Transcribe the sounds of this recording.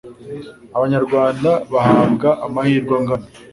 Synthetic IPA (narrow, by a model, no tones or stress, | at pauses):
aβaɲaɾɡwaːndaβahaːβɡaʔamahiːɾɡwaŋɡana